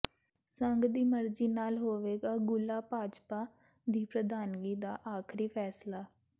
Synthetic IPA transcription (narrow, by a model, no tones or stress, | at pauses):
səŋɡd̪iːməɾd͡ʒiːnaːlɦoːʋeːɡaːɡʊlaːpaːd͡ʒpaː | d̪iːpɾəd̪aːnɡiːd̪aːʔaːkʰɾiːpʰɛːslaː